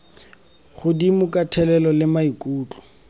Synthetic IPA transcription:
χʊdimʊkʼatʰɛlɛlɔlɪmaikʼuːt͡ɬʼʊ̥

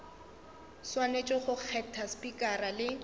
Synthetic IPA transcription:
swanet͡ʃʼɔχʊq͡χʰɛtʰaspʼikʼaralɪ

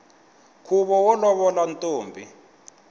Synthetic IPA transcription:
kʰuβɔwɔlɔβɔlantʼoːmbʱi

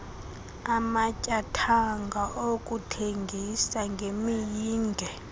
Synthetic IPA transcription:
amacʼatʰaŋɡʱaʔokʼutʰeŋɡʱisaŋɡʱemijiːndʱɛ

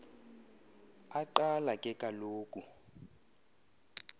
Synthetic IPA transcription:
aǃalakʼɛkʼaloːkʼu

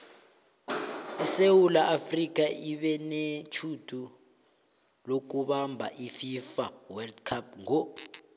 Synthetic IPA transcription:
ɛsewulaʔafrik̬ʼaʔiɓɛnet͡ʃʰudʰʱu | lok̬uɓambʱa̰ʔififawɛldkʰap̚ŋɔ

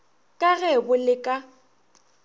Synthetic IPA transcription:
kʼaɣɛbʊlɪkʼa

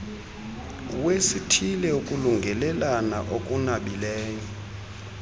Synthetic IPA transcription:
uwesitʰilɛukʼuluŋɡʱɛlɛlana̰ʔokʼunaɓileːni

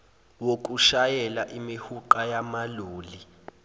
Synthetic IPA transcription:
wok̬ʼuʃajɛlaʔimihuǃajamaluːli

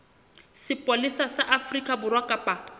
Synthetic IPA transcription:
sɪpʼolisasaʔafrikʼabʊrwakʼapʼa

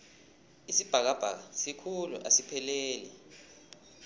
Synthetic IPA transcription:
isib̥ʱak̬ab̥ʱa̰k̬asikʰulṵʔa̰sipʰɛleːlḭ

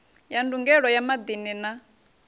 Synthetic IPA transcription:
janduŋɡɛɺɔjamad̪inina

